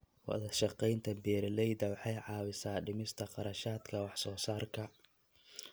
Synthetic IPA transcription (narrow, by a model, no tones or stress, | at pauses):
wɑ̰ðɐʃɑqɛjnt̪ʰɐbɛːɾɐlɛjd̪ɐwɑħɑjʕɑːwɪsaːɖɪmɪst̪ʰɐqɑɾɐʃaːd̪kʰɐwɑħsɔːsaːrkʰɐ